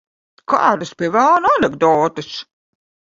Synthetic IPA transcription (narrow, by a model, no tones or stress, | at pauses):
ka̰ːdɨspʲiɛvælnanɛɡd̪ɔːt̪ɨs